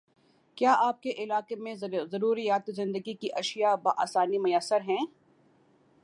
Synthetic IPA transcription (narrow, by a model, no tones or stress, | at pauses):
kjaːʔaːp̚keʔɪlaːqemẽzɐɾuːɾijaːt̪zɪ̃nd̪əɡikiʔɐʃijabaʔaːsaːnimʊjasːəɾɦɛ̃ː